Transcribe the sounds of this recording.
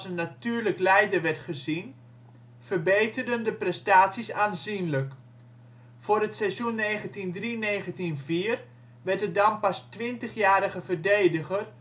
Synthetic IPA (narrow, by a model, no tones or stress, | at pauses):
sənːatyːrləklɛjdərʋɛrtχəzin | fərbejtərdəndəprɛstaːtsisaːnzinlək | fʊːɾətsɛsjunːeːχəntindrineːχəntinviːər | ʋɛrtədɑmpastʋɪntəχjaːɾəɣəvərdejdəɣər